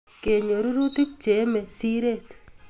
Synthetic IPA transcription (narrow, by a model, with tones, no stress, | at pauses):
ke˨ɲo˨ɾu˦ɾu˦t̪ikt͡ʃe˦mesiɾet̪